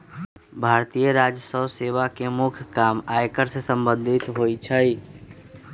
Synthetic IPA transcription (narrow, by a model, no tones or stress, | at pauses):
bʱaːɾt̪ijəɾaːd͡ʒəsəwseːʋakemʊkʰjkaːmaːekəɾsesə̃mbə̃nd̪ʱɪt̪ɦoːit͡ʃʰəi